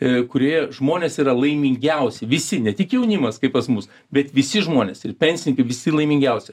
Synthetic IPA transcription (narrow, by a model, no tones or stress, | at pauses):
kʊɾʲoːjɛʒmoːnʲeːsiːɾɐlˠɐɪmʲɪŋʲɡʲɛʊsʲɪʋʲɪsʲɪnʲɛt̪ʲɪkjɛʊnʲɪmɐskɐɪppɐsmʊs | bʲɛt̪ʋʲɪsʲɪʒmoːnʲḛsɪrpʲɛnʲsʲɪnʲɪŋkɐɪʋʲɪsʲɪlˠɐɪmʲɪŋʲɡʲɛʊsʲɛ